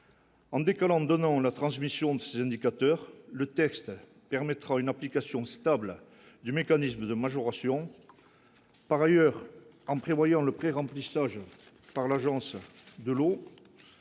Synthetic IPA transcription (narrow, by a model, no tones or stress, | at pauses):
ɑ̃d̪ekalɑ̃d̪ɔnɑ̃lat̪χɑ̃smisjɔ̃d̪əsezɛ̃nd̪ikat̪œʁlət̪ɛkst̪ | pɛʁmɛt̪χaynaplikasjɔ̃st̪abl | d̪ymekanisməd̪əmaʒɔʁasjɔ̃ | paʁajœʁ | ɑ̃pχevwajɑ̃ləpχeʁɑ̃plisaʒ | paʁlaʒɑ̃sd̪əlo